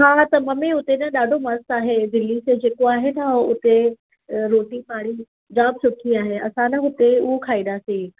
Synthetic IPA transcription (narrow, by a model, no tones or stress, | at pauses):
ɦaːt̪ɐmɐmẽʊt̪enɐɗaːɖʱomɐst̪aːɦed̪ɪlːised͡ʑeːkoaːɦet̪aʊt̪e | ɾoːʈipaːɽi | d͡ʑaːb̚sʊʈʰiaːɦeɐsãnɐɦʊt̪eʊokʰaːĩd̪aːsĩː